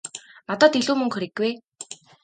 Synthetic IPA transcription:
nat̪ɔːt̪iɮuːmɵ̆ŋkxɵɾĭɡːwej

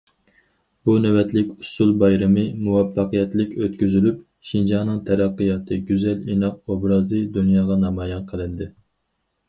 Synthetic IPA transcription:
bunɛwɛt̪lɪkʲusulˠbɑjɾɨmɨmuwɑfːɑqəjɛt̪lɪkʲøt̪kʲyzylyp | ʃind͡ʒɑːnɨŋt̪ʰɛɾæqːəjɑt̪ʰɨɡʲyzɛlinɑqobɾɑːzɨd̪unjɑːʁɑnɑmɑːjɛnqʰəlˠɨnd̪ɪ

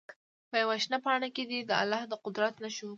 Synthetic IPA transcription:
pəjawaʃnapɑɳaked̪id̪əa̰lːɑhd̪əqʊd̪ɾat̪naʃu

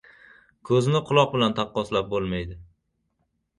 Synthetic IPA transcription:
kʰɵzɪnɪqʰʊlˠɒq̚bɪlant̪ʰɑqːɒslap̚bolˠmajd̪ɪ

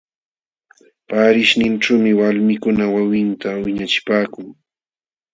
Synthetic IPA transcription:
paːɾɪʃnɪnʈ͡ʂuːmɪwalmɪkʊnawawɪnt̪awɪɲat͡ʃɪ̥paːkʊŋ

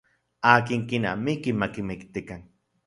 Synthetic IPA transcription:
aːkiŋkina̰mikimakimɪkt̪ikaŋ

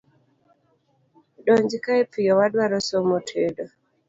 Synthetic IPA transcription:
ɗɔɲd͡ʒikaepijɔwadwaɾɔsomotʰedɔ

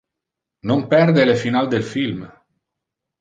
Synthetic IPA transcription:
nompɛrd̪elefinald̪elfilm

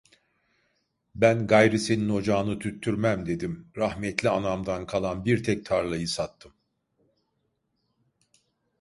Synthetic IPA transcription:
bænɡajɾisenino̞d͡ʒaːnɯt̪ʰyt̪ʰːyɾmæmd̪e̞d̪imɾahmɛt̪ʰlʲianamd̪ankʰalˠanbiɾt̪ʰɛc̚t̪ʰaɾlˠajɯsat̪ʰːɯm

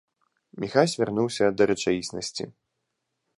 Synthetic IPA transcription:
mʲixasʲvʲarnuwsʲɐd̪ɐɾɛt͡ʂajisnɐsʲt͡sʲḭ

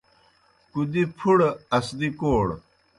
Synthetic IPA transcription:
kud̪ipʰuɽɐsd̪ikoːɽ

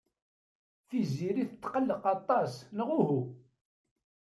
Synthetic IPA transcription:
θiziɾiθət̪ːqəlːəqɑt̪ˤɑsnəʁʊɦu

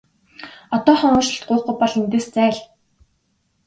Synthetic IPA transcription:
ɔt̪ɔːχɔʊːʃɪ̆ɬt̪̚ɢʊːχ̚ʊ̆jpɔɮent̪eːst͡sæːɮ

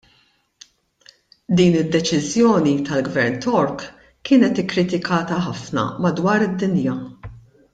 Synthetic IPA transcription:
d̪iːnɪd̪ːɛt͡ʃɪzjɔːnit̪ɐlɡvɛɾnt̪ɔɾk | kːɪːnɛt̪ɪkːɾɪt̪ɪkʰɐːt̪ɐħɐfnɐ̰mɐd̪wɐːɾɪd̪ːɪnjɐ

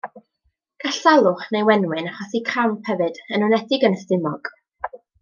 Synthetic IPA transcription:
ɡ̥aɬalˠʊχnejwɛnwɪnaχɔsikʰampʰɛvɨd̥ənʊnɛθɪɡənəstɪmɔɡ̥

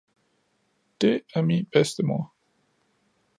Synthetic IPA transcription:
d̥e̝æɐminb̥esd̥əmoɐ

